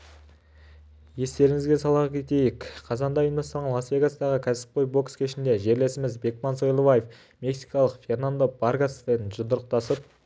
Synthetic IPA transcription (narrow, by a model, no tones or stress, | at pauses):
je̞st̪e̞ɾɪŋɪzɡʲe̞sɑlˠɑkʲʰe̞t̪e̞jɪkqʰɑzɑnd̪ɑjənɑst̪ɑʁənlˠasvʲe̞ɡasd̪ɑʁəkʲʰæsɪ̥p̚qojbo̞kskʲɪʃɪnd̪e̞ʒe̞ɾle̞sɪmɪzbe̞k̚mɑnso̞jlˠovajef | mʲe̞ksijkɑlˠəqfʲe̞rnand̪obaɾɡasfenʒʊd̪əɾəq̚t̪ɑsəp̚